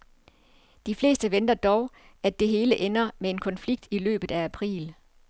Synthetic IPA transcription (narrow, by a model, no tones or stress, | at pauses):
d̥ifle̝̰ːsd̥əʋend̥ɐd̥ɒʊ | æd̥e̝ɦe̝ːləʔenɐmee̝nkʰɒ̽nfliɡ̥̚d̥ilø̰ːb̥ð̩ˠææpʰʁḭːl